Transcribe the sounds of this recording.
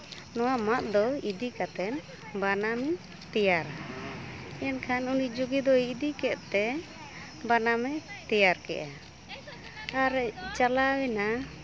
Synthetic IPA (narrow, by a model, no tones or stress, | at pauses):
nɔwamat̪̚d̪ɔid̪ikat̪ɛn | banamɛ | t̪ɛjaɾa | ɛnkʰanunid͡ʒuɡɛd̪ɔid̪ikɛʔ̪t̪ɛ | banamɛt̪ɛjaɾkɛ̰ʔa | aɾt͡ʃalawɛna